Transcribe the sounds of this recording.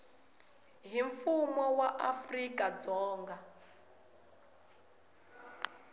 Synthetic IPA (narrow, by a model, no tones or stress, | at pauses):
ɦiɱfumɔwaʔafrikʼad͡zɔːŋɡa